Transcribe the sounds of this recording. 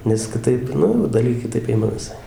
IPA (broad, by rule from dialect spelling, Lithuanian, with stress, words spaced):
nʲɛs kʲɪˈtɐɪp ˈnʊ jɛʊ ˈdɐlʲɡʲeː kʲɪˈtɐɪp ˈɪmɐ ʋʲɪˈsɐɪ